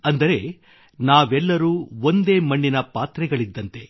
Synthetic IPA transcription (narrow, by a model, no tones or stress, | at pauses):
ɐnd̪ɐɾe̞ | naːʋɛlːɐɾuːo̞nd̪e̞ːmɐɳːinɐpaːt̪ɾɛɡɐɭid̪ːɐnt̪e̞